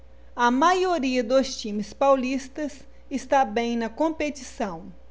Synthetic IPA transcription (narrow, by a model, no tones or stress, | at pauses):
ɐmajoɾiɐd̪ost͡ʃĩmɪspawlist̪ɐs | ɪst̪abẽj̃nɐkõpetisɐ̃w̃